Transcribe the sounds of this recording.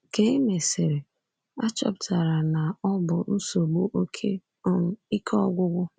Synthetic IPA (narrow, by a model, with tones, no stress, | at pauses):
ke˨i˦me˨se˨ɾe˨ | a˦t͡ʃɔ̰˦˨ptʰa˨ɾa˨na˨ɔ˦bʊ˨n̩˦so˨ɡ͡bo˦ʔo˦kʰe˦˨ | i˦kʰɔ˦ɡʷʊ˦ɡʷʊ˦